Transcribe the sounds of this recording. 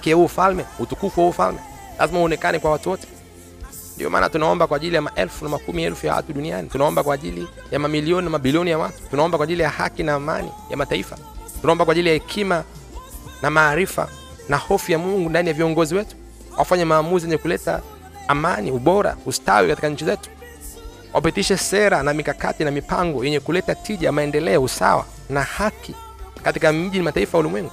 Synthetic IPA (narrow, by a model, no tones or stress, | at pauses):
hakijahuɔfalmɛhutukukwahuɔfa̰lmɛ | lʔa̰zimahuɔnɛkanɛkwawatuwɔtɛ̥ | ndḭɔ̰ma̰ːna̰tunaɔmbakwaːʄilijamaʔɛlfunamakumiɛlfujawa̰tuɗunia̰nitunaɔmbakwaːʄilijamamiliɔninamaɓiliɔnijawatu̥tunaɔmbakwaːʄilijaha̰kinaːma̰nḭja̰mataifa | tunaɔmbakwaːʄilijahɛkʰima | namaːɾifa̰ | nahɔfijamuŋɡundanijaviɔŋɡɔziwɛtu̥ | wʔafaɲɛmaːmuzijɛɲɛkulɛta̰ː | maniuɓɔɾa̰usta̰wikati̥kaɲ̩t͡ʃizɛtu̥ | wʔa̰pitiʃɛsɛɾanamikaka̰tinamipaŋɡɔjɛɲɛkulɛtatiʄamaɛndɛlɛɔusa̰wa̰ | nahakʰi | katikam̩ʄinimataifajaulimwɛŋɡu